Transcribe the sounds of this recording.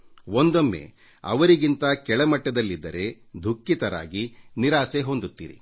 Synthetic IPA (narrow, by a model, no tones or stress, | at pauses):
ond̪omːḛ | ɐ̰ʋɐɾiɡint̪ɐkɛɭɐmɐʈːɐd̪ɐlːid̪ːɐ̰ɾe̞ | d̪ʱukːit̪ɐɾa̰ːɡiniɾaːseɦond̪ut̪ːḭːɾḭ